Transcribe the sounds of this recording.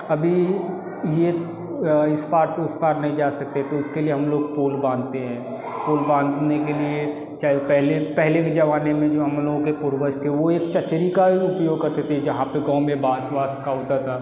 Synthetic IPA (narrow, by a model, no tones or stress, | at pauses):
ɐbʱi | je | ɪspaːɾseʊspaːɾnɐɦĩd͡ʒaːsɐk̚t̪eɦɛt̪oʊskelieɦɐmloːɡ̚poːlbãːnt̪eɦɛ̃ː | poːlbãːnd̪nekelie | t͡ʃaːepɛɦlepɛɦleked͡ʒɐʋaːnemẽd͡ʒoːɦɐmloːɡõkepʊɾbəʃt̪ʰeɛʋoeːkt͡ʃɐt͡ʃɾikaʊpjoːɡkɐɾt̪et̪ʰed͡ʒɐɦãpeɡɐ̃ʊ̃mẽbaːsʋaːskaʊt̪at̪ʰaː